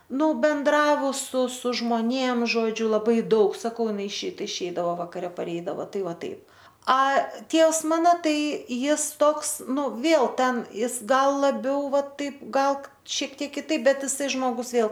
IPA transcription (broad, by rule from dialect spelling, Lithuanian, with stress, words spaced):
ˈnʊ ˈbʲɛndrɐʋʊs sʊ sʊ ʒmoːˈnʲeːm ʒoːˈd͡ʒʲʊ lˠɐˈbɐɪ ˈdɐʊk sɐˈkɐʊ ɪˈnɐɪ ɪʃʲɛɪt ɪʃʲˈɛɪdɐʋoː ʋɐkɐˈrʲɛ pɐˈrʲɛɪdɐʋoː ˈtɐɪ ˈʋɑːˈtɐɪp ɐ ˈtʲiɛws ˈmɑːnoː ˈtɐɪ ˈjɪs ˈtoːks ˈnʊ ˈʋʲeːlˠ ˈtʲɛn ˈjɪs ˈɡɐlˠ lˠɐˈbʲɛʊ ˈʋɐt ˈtɐɪp ˈɡɐlˠ ˈʃʲiɛk ˈtʲiɛk kʲɪˈtɐɪp ˈbʲɛt ˈɪsɐɪ ˈʒmoːɡʊs ˈʋʲeːlˠ